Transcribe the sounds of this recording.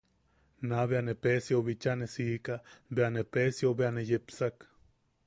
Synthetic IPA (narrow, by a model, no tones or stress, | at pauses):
naβeanepesjoβit͡ʃanesiːkabeanepesjobeanejepsak